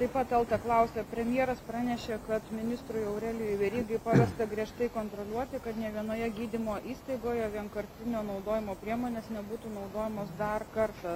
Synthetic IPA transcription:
t̪ɐɪpɐt̪ʲɛlˠt̪ɐklˠɐʊsʲeːpʲɾʲɛmʲjiɛɾɐspɾɑːnʲɛʃʲeːkɐt̪mʲɪnʲɪst̪ɾʊjɛʊɾʲɛlʲɪjiːʋʲɛɾʲiːɡɐɪpɑʋʲɛst̪ɐɡɾʲiɛʃt̪ɐɪkoːnt̪ɾoːlʲuɔt̪ʲɪkɐt̪nʲiɛʋʲiɛnoːjɛɡʲiːd̪ʲɪmoːʔiːst̪ɐɪɡoːjɛʋʲiɛnkɐɾʲt̪ʲɪnʲoːnɒʊd̪oːjɪmoːpʲɾʲiɛmoːnʲeːsnʲɛbuːt̪uːnɒʊd̪oːjɛmoːsd̪ɐrkɐɾt̪ɐ

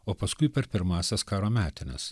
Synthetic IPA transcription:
oːpɐskʊɪpʲɛɾpʲɪɾmɑːsʲɛskɑːɾoːmʲæːt̪ʲɪnʲɛ̰s

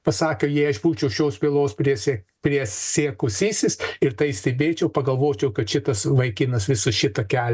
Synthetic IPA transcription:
pɐsɑːkʲɛʊjiɐʃbuːt͡ʃʲɛʊʃʲoːspʲiːlˠoːspʲɾʲiɛsʲe | pʲɾʲiɛsʲeːkʊsʲiːsʲɪsɪɾt̪ɐɪsʲt̪ʲebʲeːt͡ʃʲɛʊpɐɡɐlˠʋoːt͡ʃʲɛʊkɐt̪ʃʲɪt̪ɐsʋɐɪkʲɪnɐsʋʲɪsʊʃʲɪt̪ɐkʲæːlʲ

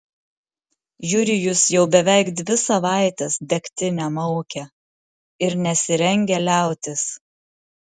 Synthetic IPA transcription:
jʊɾʲɪjʊsjɛʊbʲɛʋʲɛˑɪkd̪ʲʋʲɪsɐʋɑˑɪt̪ʲɛsd̪ʲɛkʲt̪ʲɪnʲɛmɔʊkʲɛ | ɪɾnʲɛsʲɪɾʲɛŋʲɡʲɛlʲæˑʊt̪ʲɪs

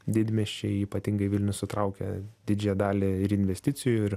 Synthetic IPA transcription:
d̪ʲɪd̪ʲmʲɛʃʲt͡ʃʲɛɪiːpɐt̪ʲɪŋɡɐɪʋʲɪlʲnʲʊssʊt̪ɾɐʊkʲɛ̰d̪ʲɪd͡ʒʲɛjɛd̪ɑːlʲeɪɾɪnʲʋʲɛsʲt̪ʲɪt͡s̪ʲɪjʊɪɾ

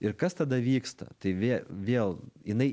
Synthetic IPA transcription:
ɪɾkɐst̪ɐd̪ɐʋʲiːkst̪ɐ̰t̪ɐɪʋʲeʋʲeːlˠjɪnɐɪ

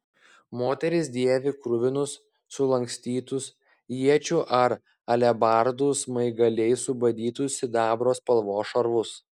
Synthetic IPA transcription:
moːt̪ʲɛɾʲɪs̬d̪ʲiɛʋʲɪkɾʊʋʲɪnʊsː | ʊlˠɐŋʲksʲt̪ʲiːt̪ʊs | jiɛt͡ʃʲuʔɐɾ | ɐlʲɛbɑɾd̪usmɐɪɡɐlʲɛɪsʊbɐd̪ʲiːt̪ʊsʲɪd̪ɑːbɾoːspɐlˠʋoːʃɐɾʋʊs

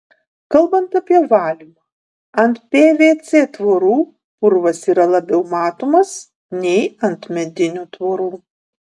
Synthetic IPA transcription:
kɐlˠbɐnt̪ɐpʲiɛʋɑːlʲimɐː | ɐnt̪pʲeːʋʲeːt̪sʲeːt̪ʋoːɾuː | pʊɾʋɐsiːɾɐlˠɐbʲɛʊmɑːt̪oːmɐs | nʲɛɪɐnt̪mʲɛd̪ʲɪnʲuːt̪ʋoːɾuː

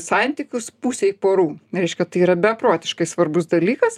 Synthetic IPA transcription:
sɐnʲt̪ʲiːkʲʊspuːsʲɛɪpoːɾuːɾʲɛɪʃʲkʲɛt̪ɐɪiːɾɐbʲɛɐpɾoːt̪ʲɪʃkɐɪsʋɐɾbʊsd̪ɐlʲiːkɐs

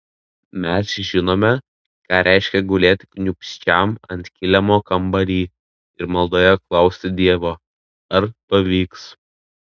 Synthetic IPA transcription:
mʲæsʒʲɪnoːmʲɛ | kɑːɾʲʔʲæˑɪʃʲkʲɛɡʊlʲeːt̪ʲknʲʊpʲsʲt͡ʃʲɛˑmɐ̰nʲt̪ʲkʲɪlʲɛmoːkɐmbɐɾʲiː | ɪɾmɐlˠd̪oːjɛklˠɐʊsʲt̪ʲɪd̪ʲiɛʋoː | ɐɾpɐʋʲiːks

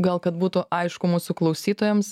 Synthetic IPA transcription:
ɡɐlˠkɐt̪buːt̪ʊʔɐɪʃkʊmuːsʊklˠɐʊsʲiːt̪oːjɛms

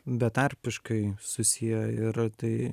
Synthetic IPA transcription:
bʲɛt̪ɑɾʲpʲɪʃkɐɪsʊsʲijɛɪɾt̪ɐɪ

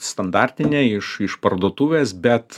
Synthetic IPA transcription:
st̪ɐnd̪ɑˑɾʲt̪ʲɪnʲeːɪʃɪʃpɐɾd̪oːt̪uːʋʲeːsbʲɛt̪

